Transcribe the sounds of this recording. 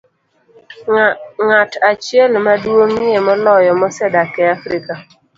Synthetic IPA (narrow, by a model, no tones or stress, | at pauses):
ŋatat͡ʃielɪmaduomiemɔlɔjɔmɔsɛdakeafɾika